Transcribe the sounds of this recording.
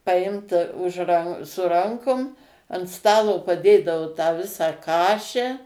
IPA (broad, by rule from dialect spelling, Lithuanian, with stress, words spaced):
pɐˈɪmt ʊʃ rɐn sʊ ˈrɐŋkʊm ɐnt ˈstɑːlˠoː pɐˈdʲeːdɐʋoː tɑː ˈʋʲɪsɑː ˈkɑːʃʲɛ